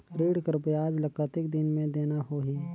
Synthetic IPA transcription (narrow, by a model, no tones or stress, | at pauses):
ɾiːɽkəɾbjaːd͡ʒlɐkət̪ɪk̚d̪ɪnmẽd̪eːnaɦoːɦiː